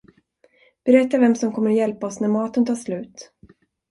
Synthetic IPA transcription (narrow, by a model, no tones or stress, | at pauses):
b̥ɛɾɛt̪ːavɛmsɔmkʰɔmːəɾjɛlpaɔsnæɾmɑːt̪ənt̪ʰɑːʂlʉ̟ːt̪